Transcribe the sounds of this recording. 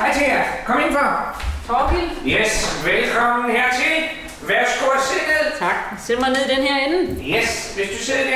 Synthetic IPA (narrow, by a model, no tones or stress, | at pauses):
hɑ̈ɪt͡sʰeæɐkʰɒmenfɒt͡sʰɒpijesʋelkʰɒm̰n̩hæɐt͡sʰe̝l | ʋæɐ̥sɡ̥oɐseɡ̥əðˠt͡sʰɑ̈ɡ̥sed̥mɑ̈ɪneðˠd̥enheɐen̩jesʋesd̥useð̰ˠd̥e